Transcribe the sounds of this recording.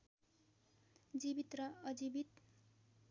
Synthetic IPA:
d͡zibit̪rʌʌd͡zibit̪

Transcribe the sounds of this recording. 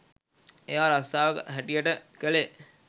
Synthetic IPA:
ejaɾast̪aːʋəkə̰ɦæʈijəʈəkəle

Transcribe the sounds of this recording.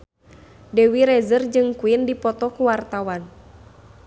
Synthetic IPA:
dɛwiɾɛzərd͡ʒɨŋkuindipɔt̪ɔkuwart̪awan

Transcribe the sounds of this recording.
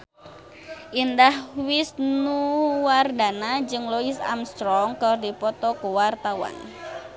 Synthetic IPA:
ʔindahwisnuwardanad͡ʒɨŋlɔisa̰mst̪ɾɔŋkərdipɔt̪ɔkuwart̪awa̰n

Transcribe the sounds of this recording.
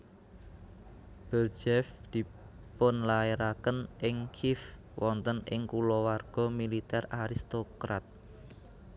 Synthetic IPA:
b̥ərd͡ʒɛfd̪̥i̤ | ponlaeɾakənʔɪŋkʰif | wʔɔnt̪ənɪ̰ŋkulɔwarɡ̥ɔ̤milit̪ɛraɾist̪okɾat̪̚

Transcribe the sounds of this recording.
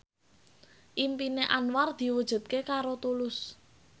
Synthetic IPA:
ʔimpineʔanward̪̥i̤wud̥ʒ̥ṳt̪̚kekaɾot̪ulʊs

